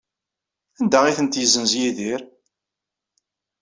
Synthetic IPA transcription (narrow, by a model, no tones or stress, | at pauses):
ænd̪æiθənt̪jəzənzjiðiɾ